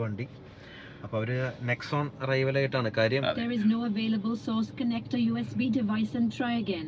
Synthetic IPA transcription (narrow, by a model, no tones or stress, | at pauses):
ʋeːɳɖi | ɐpːoːɐʋɐɾɨneksoːnrɐjʋɐlaːjiʈːaːɳɨkaːɾjɐ̃d̪eɾɪznoːɐʋeːlɐbəlsoːskɐnek̚ʈɐjuːesbidɪʋaɪsɐ̃nʈrajɐɡẽn